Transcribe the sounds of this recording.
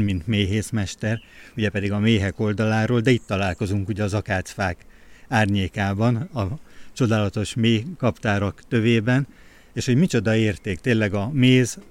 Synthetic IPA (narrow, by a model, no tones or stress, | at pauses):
mint̪meːɦeːsmɛʃt̪ɛruɟɛpɛd̪iɡɒmeːɦɛko̞ld̪ɒlaːɾoːld̪ɛit̪ːɒlaːlko̞zuŋkuɟɛɒzɒkaːt̪sfaːkaːrɲeːkaːbɒnɒt͡ʃo̞d̪aːlɒt̪o̞ʃmeːkɒpt̪aːɾɒkt̪ø̞veːbɛn | eːʃho̞ɟmit͡ʃo̞d̪ɒeːrt̪eːkt̪eːnlːɛɡɒmeːz